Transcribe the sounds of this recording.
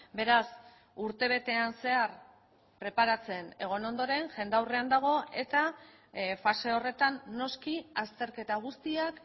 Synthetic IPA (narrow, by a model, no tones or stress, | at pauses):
be̞ɾas | uɾt̪e̞β̞e̞t̪e̞anse̞aɾ | pɾe̞paɾat͡se̞ne̞ɣ̞o̞no̞nd̪o̞ɾe̞ŋʝe̞nd̪awre̞and̪aɣ̞o̞e̞t̪a | fase̞o̞re̞t̪anːo̞skiast̪e̞ɾke̞t̪aɣ̞ust̪iak